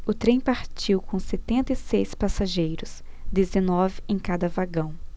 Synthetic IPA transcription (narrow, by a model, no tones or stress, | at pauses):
ʊt̪ɾẽj̃paɾt͡ʃiwkõset̪ẽnt̪ɐisejspasaʒejɾʊs | d̪ezenɔvɪẽj̃kad̪ɐvaɡɐ̃w̃